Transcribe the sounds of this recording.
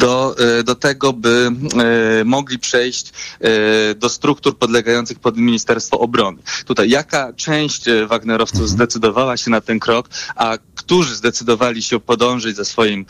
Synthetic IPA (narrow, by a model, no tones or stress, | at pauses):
d̪ɔd̪ɔt̪ɛɡɔbɘ | mɔɡlʲipʂɛjɕt͡ɕ | d̪ɔst̪ɾukt̪uɾpɔd̪lɛɡajɔnt̪sɘxpɔd̪mʲiɲist̪ɛɾst̪fɔʔɔbɾɔnɘt̪ut̪ajːakat͡ʂɛ̃w̃ɕt͡ɕvaɡnɛɾɔft̪suvzd̪ɛt̪sɘd̪ɔvawaɕɛnat̪ɛnkɾɔkakt̪uʐɘzd̪ɛt̪sɘd̪ɔvalʲiɕɛpɔd̪ɔ̃w̃ʐɛd͡ʑzɛsfɔjim